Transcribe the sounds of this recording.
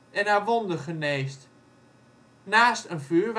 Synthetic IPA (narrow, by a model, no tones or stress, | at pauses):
ɛnaːʋondəχəneːst | naːstənfyːɹʋ